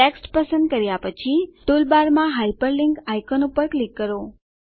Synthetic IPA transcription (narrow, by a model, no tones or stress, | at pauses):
eksʈpəsə̃nd̪̚kəɾjapət͡ʃʰit̪olbaɾmãɦajpəɾliŋkajkɔnupəɾklikːəɾo